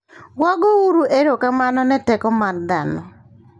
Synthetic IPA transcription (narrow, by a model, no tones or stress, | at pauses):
wɔɡɔwuɾuʔeɾokamanɔnɛtɛkɔmard̪anɔ